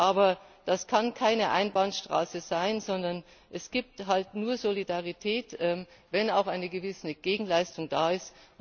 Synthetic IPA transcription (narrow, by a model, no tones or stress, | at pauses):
ʔaːbɐd̥askʰankʰaɪnəʔa̰ɪnbanʃtʁ̥a̰ːsəzaɪnzɔndɐn | ʔɛsɡ̥iːp̚tɦaltnuːɐzolidaʁitʰɛːtʔɛmvɛnaʊxʔaɪnəɡəvɪsnəɡ̥eːɡŋ̩laɪstʊŋdaːɪst